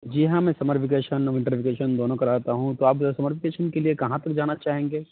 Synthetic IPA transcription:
d͡ʒiɦãmɛ̃sɐməɾpʰɪkeːʃənɔɪ̃ɳʈəɾfɪkeːʃənd̪oːnõkɐɾaːt̪aɦũt̪oaːpsɐməɾpʰɪkeːʃənkeliekɐɦãt̪ɐk̚d͡ʒaːnat͡ʃaːɦẽːŋɡeː

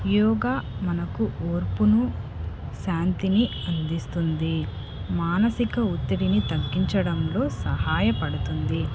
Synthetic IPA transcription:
jɔːɡaːmɐnɐkuʔoːɾpunu | ʃaːnt̪iniɐnd̪ist̪und̪i | maːnɐsikɐut̪ːɐɽinit̪ɐɡːiɲt͡ʃɐɽɐmlo̞ːsɐhaːjɐpɐɽut̪und̪i

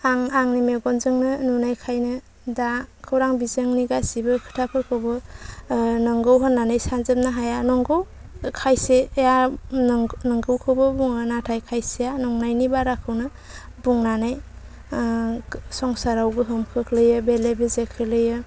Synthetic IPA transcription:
aŋaŋnimeɡɔnzɯŋnɯnunajkʰajnɯ | dakʰɯwɾaŋbizɯŋniɡasibɯkʰɯ̥tʰapʰɯɾkʰɯwbɯ | nɯŋɡɯwɦɔnːanajsanzɯm̚naɦajanɔŋɡɯw | kʰajseeja | nɯŋɡɯwkʰɯwbɯbuŋɯnatʰajkʰajsejanɔŋnajnibaɾakʰɯwnɯ | buŋnanaj | sɔŋsaɾawɡɯɦɯmkʰɯkʰlɯjɯbelebezekʰɯlɯjɯ

